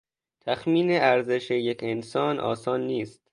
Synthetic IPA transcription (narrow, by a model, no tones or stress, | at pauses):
t̪ʰæxmiːneʔæɾze̞ʃejecʰensɒːnʔɒ̰ːsɒːnːiːst̪̚